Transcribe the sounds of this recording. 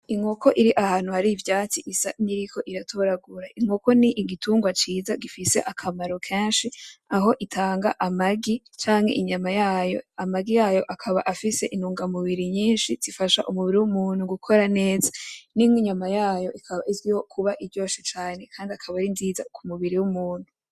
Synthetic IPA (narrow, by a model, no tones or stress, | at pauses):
iŋhokʰo̞ʔiɾiʔahaːnuhaɾivjaːt͡siʔisaniɾikʰo̞ʔiɾatʰoɾaɡuɾaʔiŋoko̞niʔɡituːŋɡwat͡ʃiːzaɡifise̞̰ʔakʰamaɾo̞kʰe̞ːnʃiaɦo̞ʔitʰaːŋɡa̰ʔamaɡi | t͡ʃaːŋhe̞̰ʔiɲamajaːjo̞̰amaɡijaːjo̞ʔakʰaβa̰ʔafise̞ʔinuːŋɡamuβiɾiɲiːnʃiz̥ifaʃa̰ʔumuβiɾiwumuːnhuɡukʰo̞ɾane̞ːzanimwiɲamajaːjo̞ʔikʰaβaʔizɡiho̞kʰuβaʔiɾɟo̞ːʃit͡ʃaːne̞kʰaːndiakʰaβaɾinziːza̰kumuβiɾiwumuːn̥hu